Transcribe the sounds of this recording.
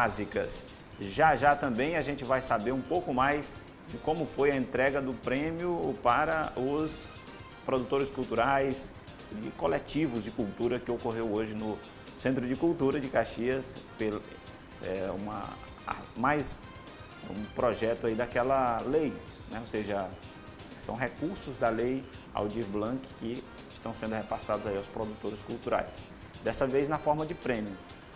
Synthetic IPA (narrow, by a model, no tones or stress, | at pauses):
azikɐs | ʒaʒat̪ɐ̃mbẽj̃ɐʒẽnt͡ʃɪvajsabeɾũpowkʊmajz | d͡ʒɪkõmʊfojɐẽnt̪ɾɛɡɐd̪ʊpɾẽmjiʊpaɾɐʊs | pɾod̪ut̪oɾɪskuwt̪uɾajs | d͡ʒɪkolet͡ʃivʊzd͡ʒɪkuwt̪uɾɐkɪokoɦewoʒɪnʊ | sẽnt̪ɾʊd͡ʒɪkuwt̪uɾɐd͡ʒɪkaʃiɐspel | ɛ̰ũmɐ̰ | majs | ɛṵ̃pɾɔʒɛt̪ʊaid̪akɛlɐlej | nɛoseʒɐ | sɐ̰̃w̃ɦekuɾsʊzd̪ɐlej | a̰wd͡ʒiblɐ̃kɪ̥kɪ | ɪst̪ɐ̃w̃sẽnd̪ʊhepasad̪ʊzaiawspɾod̪ut̪oɾɪskuwt̪uɾa̰js | d̪ɛsɐvejznɐfɔɾmɐd͡ʒɪpɾẽmiʊ